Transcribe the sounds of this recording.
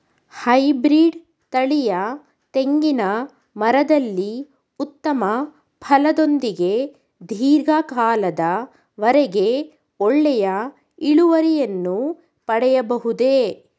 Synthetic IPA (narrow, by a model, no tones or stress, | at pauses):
hɐjbɾiːɖ | t̪ɐɭijɐ | t̪e̞ŋɡinɐ | mɐɾɐd̪ɐlːi | ut̪ːɐmɐ | pʰɐlɐd̪o̞nd̪iɡe̞ | d̪ʱiːɾɡɐkaːlɐd̪ɐ | ʋɐɾɛɡe̞ | ɔɭːɛjɐ | iɭuʋɐɾijɐnːu | pɐɽɛjɐbɐɦud̪e̞